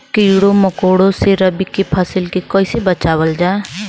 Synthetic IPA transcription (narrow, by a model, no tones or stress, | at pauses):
kijɽoməkoɽoseɾəbikepʰəsɪlkekɔjsebət͡ʃaːwəld͡ʒa